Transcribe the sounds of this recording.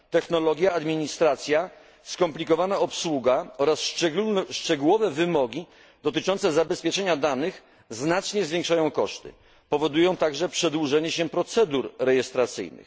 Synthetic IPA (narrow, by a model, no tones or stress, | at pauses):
t̪ɛxnɔlɔɡʲjaːd̪mʲiɲist̪ɾat̪sʲja | skɔmplʲikɔvanaɔpswuɡaɔɾasʂt͡ʂɛɡuwɔvɛvɘmɔɡʲi | d̪̥ɔt̪ɘt͡ʂɔnt̪sɛzabɛspʲjɛt͡ʂɛɲad̪anɘx | znat͡ʂɲɛzvʲjẽŋkʂajɔ̃w̃kɔʂt̪ɘ̰ | pɔvɔd̪ujɔ̃w̃t̪aɡʐɛpʂɛd̪wuʐɛɲɛɕɛpɾɔt̪sɛd̪uɾɾɛjɛst̪ɾat̪sɘ̰jnɘ̰x